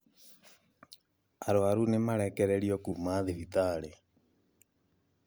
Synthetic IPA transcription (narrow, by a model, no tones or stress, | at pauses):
aɾoaɾunemaɾɛkɛɾɛɾiɔkumaðiɾit̪aːɾe